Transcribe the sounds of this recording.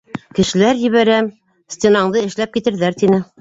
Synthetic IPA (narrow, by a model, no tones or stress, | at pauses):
kɘ̆ʃɘ̆læɾjɘ̆βæɾæm | sʲt̪ʲenɑɴd̪ɤɘ̆ʃlæp̚kit̪ɘ̆ɾðæɾt̪inɘ